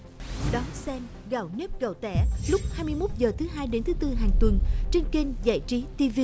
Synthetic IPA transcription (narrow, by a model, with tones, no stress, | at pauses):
ɗɔ˨˦sɛ˧m | ɣa̰˧˩wne˦˥p̚ɣə˨˩wt̪ɛ̰˧˩˨lʊ˦˥k͡p̚haː˧jmɨ˧əjmo˦˥t̚zəː˨˩t̪ʰɨ˨˦ɦaː˧jɗe˨˦nt̪ʰɨ˨˦t̪ɨ˧ɦaː˨˩ŋt̪wə˨˩nt͡ɕe˧nki˧ŋza̰ː˧˨jt͡ɕi˨˦t̪i˧vi˧